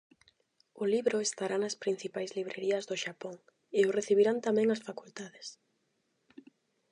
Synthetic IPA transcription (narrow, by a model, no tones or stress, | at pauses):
ʊliβɾʊest̪aɾanɐspɾin̟θipajzliβɾeɾiɐzðʊʃapɔŋ | ɪʊreθiβ̞iɾant̪amɛ̃ŋɐsfakult̪aðes